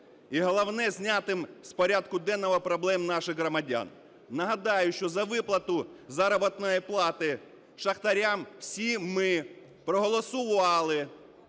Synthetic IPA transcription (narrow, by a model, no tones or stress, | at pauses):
iɦɔlˠɐwnɛzʲnʲat̪ɪmspɔɾʲad̪kʊd̪ɛnːɔʋɔpɾɔblˠɛmnɑʃɪɣɦɾɔmɐdʲa̰n | nɐɦɐd̪ɑjʊʃt͡ʃɔzɐʋɪplˠɐt̪ʊzɑɾɔbɔt̪nɔjiplˠɑt̪ɪ | ʃɐxt̪ɐɾʲamwsʲimɪ | pɾɔɦɔlˠɔsʊʋɑlˠɪ